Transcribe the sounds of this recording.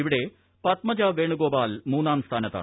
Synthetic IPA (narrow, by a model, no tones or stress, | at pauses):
iʋiɽe̞ | pɐt̪mɐd͡ʑaːʋeːɳuɡoːbaːlmuːnaːmst̪ʰaːnɐt̪ːa̰ː